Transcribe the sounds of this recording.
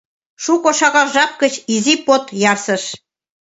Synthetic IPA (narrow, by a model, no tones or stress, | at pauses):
ʃukoʃɑɣɑlʒɑp̚kət͡ɕizipot̪jɑrsəʃ